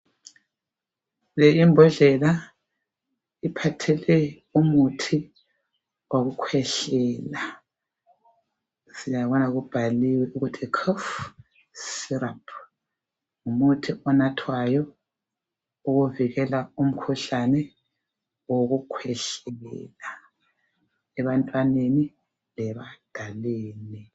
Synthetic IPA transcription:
lejimbʱɔɮɛla | ipʰatʰɛlɛ | umutʰi | oɣukʰwɛɬɛːla | sijaβɔnaɣub̥ʱaliwɛʔuɣutʰikʰɔf | siɾapʰ | umutʰiʔɔnatʰwajɔ | uɣuviɣɛlaum̩kʰuɬanɛ | woɣukʰwɛɬɛɣɛ̰la | ɛβantʼwaneni | lɛβad̥ʱaleːni

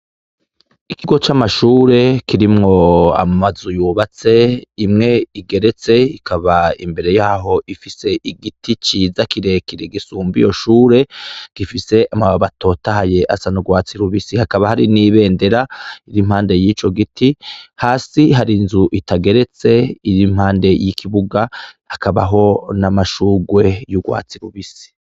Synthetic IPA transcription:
ikiɡo̞t͡ʃamaʃuːɾe̞kiɾimŋo̞a̰mazujuːβat͡se̞imŋe̞iɡe̞ɾe̞t͡se̞ikʰaβaḭmbe̞ɾe̞jaːɦo̞ʔifise̞ʔiɡitʰit͡ʃiːzakiɾe̞kiɾeɡisuːmbḭjo̞ʃuːɾe̞ɡ̥ifise̞ʔamaβato̞ːtahaje̞ʔa̰sanuɡwaːt͡siɾuβisihakaβahaɾiniːβe̞ːnde̞ɾaiɾim̥haːnde̞jiːt͡ʃo̞ɡitʰihaːsiɦaɾinzuʔitaɡe̞ɾe̞t͡se̞iɾim̥haːnde̞jikʰiβuɡa | akaβa̰ɦo̞namaʃuːɡwe̞juɡwa̰ːt͡siɾuβisi̥

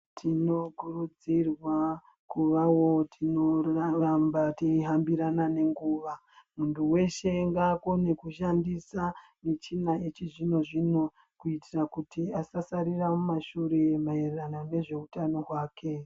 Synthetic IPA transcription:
tʰino̞kurud͡zirwa | kuʋawo̞tʰinorambatiɦambiɾanane̞ŋɡuːʋa | muntuwe̞ʃe̞ŋɡaːkone̞kuʃandisa | net͡ʃinaet͡ʃiʐino̞ʐino̞ | kuitirakutiasasaɾiramumaʃuɾe̞maerranane̞ʐe̞utano̞ɦwaːkʰe̞

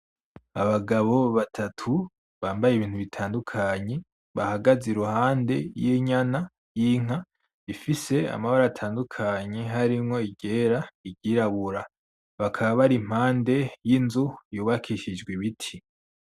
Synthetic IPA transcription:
aβaɡaβo̞βatʰatʰu | βaːmbajeiβiːnhuβitʰaːndukʰaɲe̞ | βahaɡaziɾuhaːnde̞̰jiɲana | jiŋa | ifise̞a̰maβaɾatʰaːndukʰaɲe̞ɦaɾimŋo̞iɟe̞ːɾaiɟiːɾaβuɾa | βakʰaβaβaɾim̥haːnde̞jinzujuːβakʰiʃid͡ʒɡweβitʰi

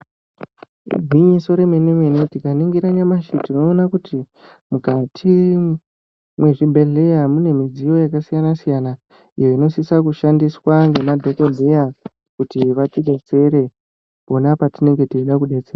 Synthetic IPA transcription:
ɡʱwiɲiso̞ɾe̞menemenotikaniŋɡiɾaɲamaʃitinoːnakuti | mukatʰi | mwe̞ʐibʱe̞ɮe̞jamune̞mid͡zijo̞jakasijanasijana | ḭjo̞ino̞sisakuʃandiswaŋɡe̞madʱo̞ko̞deja | kutiʋateɡʱe̞t͡se̞ɾe̞ | ponapatine̞ŋɡe̞tiiɗakuɗe̞t͡seːra

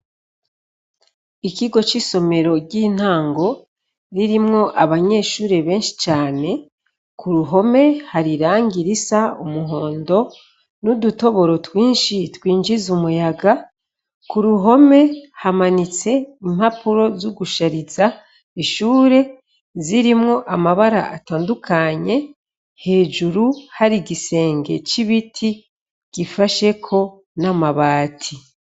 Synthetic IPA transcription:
iciɡo̞t͡ʃiso̞me̞ɾo̞ɟiːn̥haːŋɡo̞ | ɾiɾimŋo̞ʔaβaɲe̞ːʃuːɾe̞βe̞ːnʃi̥t͡ʃaːne̞ | kuɾuɦo̞me̞haɾiɾaːŋɡiɾisaumuɦo̞ːndo̞ | nuduto̞βo̞ɾo̞twiːnʃitwiːnd͡ʒizumujaɡa | kuɾuɦo̞me̞hamanit͡se̞im̥hapuɾo̞zuɡuʃaɾiza | iʃuːɾe̞ | ziɾimŋo̞ʔamaβaɾa̰ataːndukʰaɲe̞ | he̞ːd͡ʒuɾuhaɾiɡise̞ːŋɡe̞̰t͡ʃiβitʰi | ɡ̥ifaʃe̞kʰo̞ | namaβaːtʰi

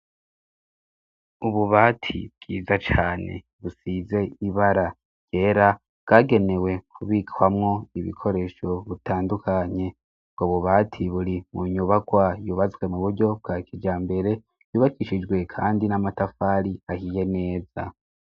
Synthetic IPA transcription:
uβuβaːtʰḭbɡ̥ḭːzat͡ʃaːne̞̰ | βusize̞iβaɾa | je̞ːɾa | bɡ̥aːɡe̞ne̞we̞kʰuβikwamŋo̞iβḭkʰo̞ɾe̞ːʃo̞βutʰaːndukʰaɲe̞ | bɡ̥oβuβatʰiβuɾimuɲuβakwajuːβazɡwe̞muβuɾɟo̞b̚ɡaːkʰid͡ʒaːmbe̞ɾe̞ | juːβakiʃid͡ʒɡwe̞kʰaːndinamatafaːɾiahije̞ne̞ːza

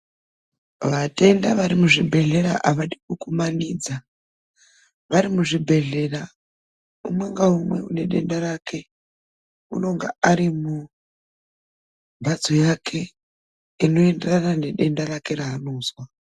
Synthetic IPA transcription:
ʋate̞ndaʋaɾimuʐibʱe̞ɮe̞ɾaʔaʋaɗikukumaniːd͡za | ʋaɾimuʐibʱe̞ɮe̞ra | umwe̞ŋɡaumwe̞une̞ɗe̞ndaɾakʰe̞ | ṵno̞ŋɡaaɾimu | bʱad͡zojakʰe̞ | ino̞enderanane̞ɗe̞ndaɾake̞ɾaɦːnoːzwa

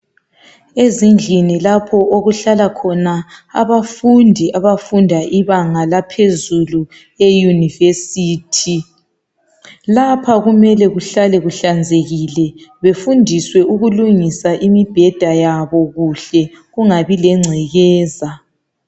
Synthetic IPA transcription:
ezind͡ɮʱinilapʰɔoɣuɬalakʰɔnaa̰βafundʱiʔaβafundʱaʔiβaŋalapʰezulu | ejunivesiːtʰi | lapʰaɣumɛlɛɣuɬalɛɣuɬand͡zʱeɣilɛβefundʱiswɛuɣuluŋisaʔimib̥ʱɛd̥ʱajaβɔɣuɬɛ | ɣuŋaβilɛŋ͡ǀʱɛɣɛːza

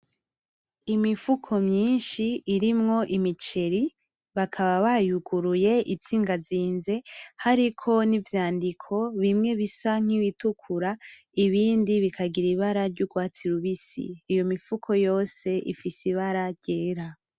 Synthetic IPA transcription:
imifukʰo̞mɲiːnʃiːɾimŋo̞ʔimit͡ʃe̞ɾi | βakʰaβaβajuɡuɾuje̞ʔit͡siːŋɡaziːnze̞haɾikʰo̞nivjaːndikʰo̞βimŋe̞βisaŋ̥iβitukʰuɾa | iβiːndiβikʰaɡiɾiβaɾaɾɟuɡwaːt͡siɾuβisḭːjo̞mifukʰo̞jo̞ːse̞ʔḭfisiβaɾaɾɟeːɾa

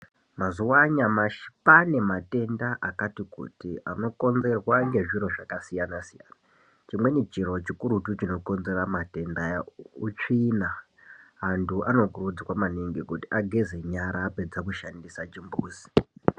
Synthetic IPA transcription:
mazuwaɲamaʃi̥pane̞mate̞ndaʔakatikṵtiʔa̰no̞ko̞nze̞rwaŋɡe̞ʐiɾo̞ʐakasijanasijana | t͡ʃimwe̞nit͡ʃiro̞t͡ʃikuɾutut͡ʃino̞ko̞nze̞ramate̞ndajaut͡ʂinaː | ntuʔano̞kurud͡zikwamaneŋɡekutiʔaɡʱezeɲaɾaped͡zakuʃandisat͡ʃimbuːzi̥

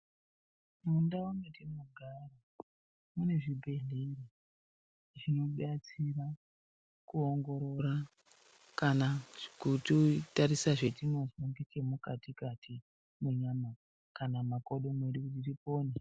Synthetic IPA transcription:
mundawaŋɡetimuɡʱaro | mune̞ʐibʱe̞ɮeiri | ʐino̞ɓat͡sira | kuoŋɡo̞ɾoɾa | kanaʐikutitaɾisaʐe̞tino̞zoŋɡet͡ʃe̞mukatikatʰi | meɲama | kanamakoɗomweɗikut̬iripoːne

